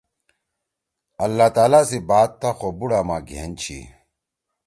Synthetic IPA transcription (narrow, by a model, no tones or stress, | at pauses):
ɐlːaːt̪aːlasibaːt̪̚t̪ːaxobuɽaːma̰ːɡʱḛːnt͡ɕʰḭ